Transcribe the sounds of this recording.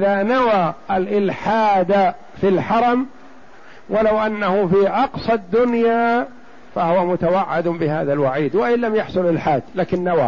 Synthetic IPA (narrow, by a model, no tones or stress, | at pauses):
ʔɪðanawaʔalʔɪlħaːd̪a | filħɑɾˤɑm | walawʔanːahʊfiːʔɑqsˤɑd̪ːʊnjaː | fahʊwamʊt̪awaʕːɪd̪bɪha̰ːðalwaʕiːd̪waʔɪlːamjɑħsˤʊlʔɪlħaːd̪laːkɪnːawa̰